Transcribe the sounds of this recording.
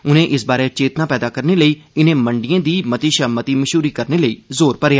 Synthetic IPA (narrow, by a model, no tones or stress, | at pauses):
ʊnẽːʔɪsbaːɾɛːt͡ʃeːt̪naːpɛːd̪aːkəɾneːləiːɪnẽːməɳɖijãːd̪iːmət̪iːʃəːmət̪iːməʃuːɾiːkəɾneːləiːzoːɾpəɾeaː